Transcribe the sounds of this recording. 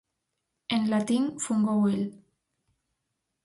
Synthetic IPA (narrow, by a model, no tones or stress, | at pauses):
enlat̪iŋfuŋɡowel